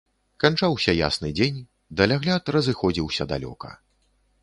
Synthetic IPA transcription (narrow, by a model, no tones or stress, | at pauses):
kant͡ʂawsʲɐja̰snɨd͡zʲenʲ | d̪ɐlʲaɣlʲat̪rɐzɨxɔd͡zʲiwsʲɐd̪a̰lʲɔ̰kɐ̰